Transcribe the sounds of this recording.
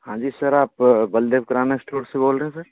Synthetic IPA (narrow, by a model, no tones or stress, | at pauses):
hãːd͡ʒiːsɐɾaːpbɐld̪eːʋkɐɾaːnesʈʰoːɽseboːlɾəɦẽsɐɾ